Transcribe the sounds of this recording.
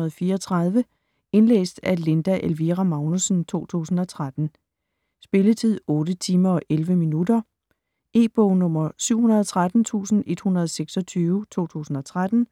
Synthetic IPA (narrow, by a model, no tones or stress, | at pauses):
ð̩ˠfiːɐɒt͡sʰʁað̞ˠʋə | e̝nlḛːsd̥æle̝nd̥æʔelʋiʁæmɑ̈ʊnusn̩t͡sʰo̝̰ːt͡sʰṵːsn̩ɒ̽t͡sʰʁad̥n̩ | sb̥e̝lət͡sʰið̰ˠɔ̽ːd̥ət͡sʰiːmɐ̽ːʔelʋəminudɐ | e̝ːb̥ɔʊnɔ̽m̰ɐsyʊ̰hunɐð̞ˠɒt͡sʰʁad̥n̩t͡sʰṵːsn̩e̝d̥hunɐð̞ˠseɡ̥sɒ̽t͡sʰyːʊət͡sʰo̝̰ːt͡sʰṵːsn̩ɒ̽t͡sʰʁad̥n̩